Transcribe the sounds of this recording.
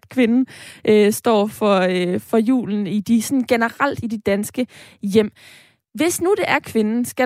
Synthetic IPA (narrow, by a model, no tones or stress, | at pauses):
kʰʋe̝nn̩ʔøsd̥ɒ̰ːfɒ̽fɒ̽jṵːln̩id̥isɒ̽nɡ̥enəʁal̰d̥id̥ed̥ænsɡ̥əjem̰ | ʋe̝snud̥e̝ʔæɐkʰʋe̝nn̩sɡ̥æ